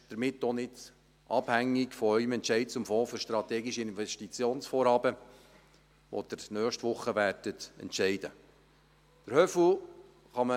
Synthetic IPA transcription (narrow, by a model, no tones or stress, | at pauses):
d̥əɾmɪtːonɪd | ʔɑbhæŋːɪkfɔœʏəmɛntʃɛɪt̚t͡sʊmfɔ̃ːføɾʃtɾɑt̪ɛːɡiʃəɪnvɛʃtit͡sjoːnsfoːɾhɑːbə | ʋo̰d̥̪əɾnœːχʃtʋʊχːəʋæːɾd̥ətɛ̰ntt͡ʃɛɪd̥ə | d̥əɾhœfl̩ | χɑmə